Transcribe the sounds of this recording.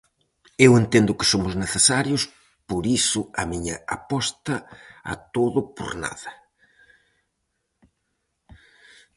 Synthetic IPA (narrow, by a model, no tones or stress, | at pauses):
ewent̪end̪ʊkɪ̥somʊzneθesaɾjʊs | poɾisʊɐmiɲɐapɔst̪ɐa̰t̪oðʊpo̰ɾna̰ðɐ